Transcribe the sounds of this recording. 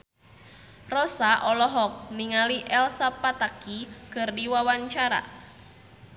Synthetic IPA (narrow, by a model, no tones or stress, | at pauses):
rɔsaʔɔlɔɦɔk̚niŋaliʔɛlsapat̪akikərdiwawaɲt͡ʃaɾa̰